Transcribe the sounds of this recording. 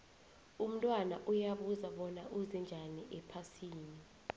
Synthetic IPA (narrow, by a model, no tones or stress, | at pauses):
um̩tʼwanaʔujaɓuzaɓɔnaʔuzɛnd͡ʒʱaniʔɛpʰasiːni